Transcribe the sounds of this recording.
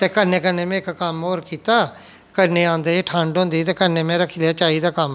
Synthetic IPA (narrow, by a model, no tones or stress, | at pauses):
t̪eːkəɾneːkənẽːmɛ̃ːɪkkəmoːɾkiːt̪aː | kəɾneːãːnd̪aːeːʈʰãːɳɖõːnd̪iːt̪eːkəɾnẽːmɛ̃ːɾəkʰːiːleaːt͡ʃaːiːd̪aːkəm